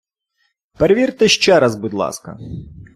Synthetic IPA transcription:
peɾeʋʲirt̪ɪʃt͡ʃɛɾɐzbʊd̪lˠɑ̰skɐ̰

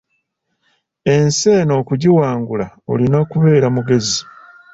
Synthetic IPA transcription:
e̞nse̞ːno̞ːkuɟiwaːŋɡulao̰lino̞ːkuβe̞ːɾamuɡe̞zi

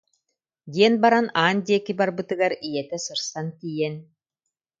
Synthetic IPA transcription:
d̪ʲiɛnbaɾanaːnd̪ʲiɛkibaɾbɯt̪ɯɡaɾijɛt̪ɛsɯɾsankiːjɛn

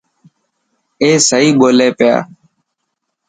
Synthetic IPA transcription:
eːsəɦiːɓoːleːpɪja̰ː

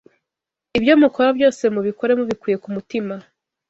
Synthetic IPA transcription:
ibjo̞muko̞ɾabjo̞ːse̞muβiko̞ɾe̞muβikwiːje̞kumutima

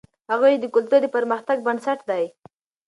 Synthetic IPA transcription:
haɣujed̪əkʊlt̪uɾd̪əpaɾməxt̪aɡ̚bansaʈd̪aj

